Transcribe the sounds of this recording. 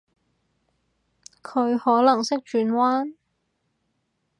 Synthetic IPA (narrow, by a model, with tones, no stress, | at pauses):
kʰɵ˨˧ɥhɔː˨˥lɐ˨˩ŋsɪ˥k̚t͡ʃyː˨˧˥nwaː˥n